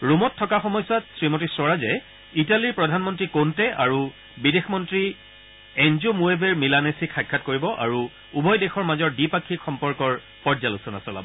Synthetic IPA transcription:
ɹumɔtʰːɔkaxɔmɔjswatsɹimotisɔɹazɛ | italiɹpɹɔdʱanmɔntɹikontɛʔaɹu | bidexmɔntɹi | ɛnzumuebʱɛɹmilanesikʰajkʰːatkoɹibɔʔaɹu | ubʱɔjdɛxɔɹmazɔɹdipakʰːikxɔmpɔɹkɔɹ | pɔɹzalusɔnasɔla̰bɔ

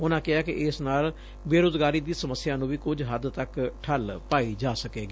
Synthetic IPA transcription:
ʊnãːkɪaːkɪʔɪsnaːl | beːɾoːzɡaːɾiːd̪iːsəməsːɪjãːnũːʋiːkʊd͡ʒɦəd̪t̪əkʈʰəlpaːiːd͡ʒaːsəkeːɡiː

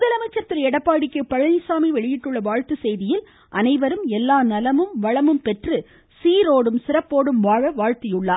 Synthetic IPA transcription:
mʊðɐlɐmɐɪt͡ʃːɐt̪ːɪlɐɛɽɐpːaːɽɪkːɯpːɐɻɐnɪsaːmiʋɛɭɪjɪʈːɯɭːɐʋaːɻt̪ɯsɛjðɪjɪl | ʔɐnɐɪʋɐɾɯmɛlːaːnɐlɐmɯmʋɐɻɐmɯmpɛʈrɯ | siːɾoːɽɯmsɪrɐpːoːɽɯmʋaːʋɐʋaːɻt̪ɪjʊɭːaː

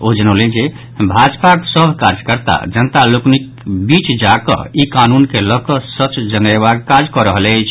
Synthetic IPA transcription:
od͡ʒənəʊlend͡ʒe | bʱad͡ʒpaksəbʱkaɾd͡ʒkəɾt̪a̰d͡ʒənt̪aloknik | bit͡ʃd͡ʒakɔ̰ikanunkeləkɔsət͡ʃd͡ʒənəbaɡ̚kad͡ʒkɔɾəɦəlɛt͡ʃʰ

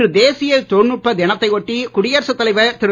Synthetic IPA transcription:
ɯd̪eːsɪjɐlt̪ɔrnɯʈ̚pːɐðɛnɐt̪ːɐɪɔʈːikʊɽɪjɐɾsɐt̪ːɐlɐɪʋɐt̪ɪɾɯ

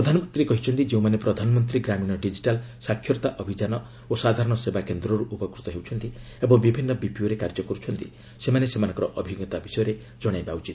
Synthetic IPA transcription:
pɾɔd̪ʱanɔmɔnt̪ɾikɔɦit͡ʃʰɔnt̪id͡ʒeũmanepɾɔd̪ʱanɔmɔnt̪ɾiɡɾamiñɔɖid͡ʒiʈalsakʰjɔɾt̪aʔɔbʱid͡ʒanɔ | osad̪ʱaɾɔɽ̃ɔsebakend̪ɾɔɾuʔupɔkɾut̪ɔɦewt͡ʃʰɔnt̪i | ebɔŋbibʱinːɔbipioɾekaɾd͡ʒɔkɔɾut͡ʃʰɔnt̪i | semanesemanɔ̃ŋkɔɾɔʔɔbʱiɡjɔt̪abisɔjɔɾe | d͡ʒɔɽ̃ajbaut͡ʃit̪

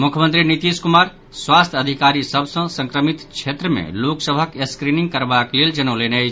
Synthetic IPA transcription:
mukʰjəmə̃nt̪ɾinit̪iskumaɾ | swast̪ʰəd̪ʱikaɾisəbʱsə̃sə̃ŋkɾəmit̪t͡ʃʰet̪ɾəmḛloksəbʱəkeskɾiniŋɡkəɾbakleld͡ʒənəwleneəjt͡ʃʰ

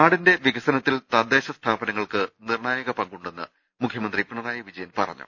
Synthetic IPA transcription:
aːɽinde̞ʋiɣɐsɐnɐt̪ːilt̪ɐd̪eːɕɐst̪ʰaːbɐnɐŋːɐɭkɨnirɳaːjɐɣɐpɐŋɡuɳɖe̞nːɨ | mukʰjɐmɐnd̪ripːuɳɐðaːjɐʋid͡ʑɐjɐnpɐ̰rɐ̰ɲːṵ

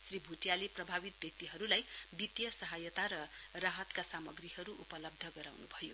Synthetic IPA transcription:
sribʱuʈjaleprʌbʱabit̪̚bjʌk̚t̪iɦʌɾulajbit̪jʌsʌɦajʌt̪aɾʌ | raɦʌt̪kasamʌɡriɦʌɾuʔupʌlʌb̚d̪ʱʌɡʌɾa̰wnubʱʌjo

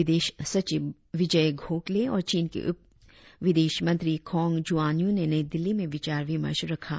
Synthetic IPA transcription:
ɪd̪eːʃsɐt͡ʃɪb | ʋɪd͡ʒəɡʱoːʈleɔːɾt͡ʃiːnkḛʔʊ | ʋɪd̪eːʃmɐ̃nt̪ɾikʰɔːŋɡd͡ʒuaːnjõnenɐid̪ɪlːimẽʋɪt͡ʃaːɾʋɪmə̰ɾʃɾɐkʰa̰ː

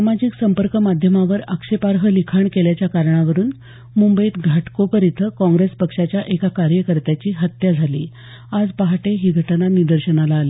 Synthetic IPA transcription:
samad͡ʑiksəmpəɾkəmad̪ʱjəmaʋəɾəkʂepaɾɦəlikʰaɳkeljat͡ɕjakaɾɳaʋəɾuːn | mumbəiːt̪ɡʱaʈkopəɾit̪ʰəkɔ̃ŋɡɾespəkʂat͡ɕjaʔekakaɾjəkəɾt̪jat͡ɕiːɦət̪jad͡zʱalḭː | ad͡zpaɦaʈeɦiːɡʱəʈnanid̪əɾɕənalaːli

